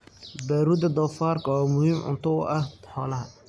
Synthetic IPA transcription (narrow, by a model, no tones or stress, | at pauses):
baːɾuːd̪ɐd̪ɔːfaːrkʰɐwaːmʊhiːmʕʊ̰nt̪ʰʊʊ̰ʔɐhħɔːlɐɦɐ